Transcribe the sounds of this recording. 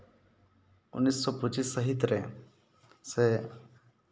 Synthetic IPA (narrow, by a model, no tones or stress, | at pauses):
ʊ̰nːisːɔpʊt͡ʃisːəɦit̪ɾe | se